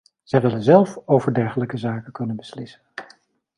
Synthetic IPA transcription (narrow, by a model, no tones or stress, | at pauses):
z̥ɛjʋɪlənzɛlˠfowvəɹdɛɹχələkəzaːkəkɵnənbəslɪsən